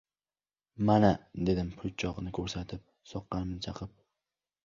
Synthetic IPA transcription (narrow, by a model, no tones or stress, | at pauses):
manad̪e̞d̪ɪmpʰʊt͡ʃʰɒʁnɪkʰɵɾsat̪ʰɪp̚ | sɒqːɑnɪmnɪt͡ʃʰɑqʰɪp̚